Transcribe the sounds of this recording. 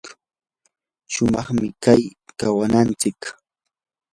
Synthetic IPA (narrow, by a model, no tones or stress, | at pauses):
ʃʊmɑχmɪkajkawanant͡sɪk